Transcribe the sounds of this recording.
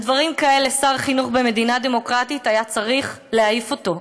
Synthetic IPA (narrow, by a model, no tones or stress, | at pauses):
dvaʁimkae̞le̞saʁχinuχbe̞me̞d̪inad̪e̞mo̞kʁatitajat͡saʁiχ | leaifo̞to̞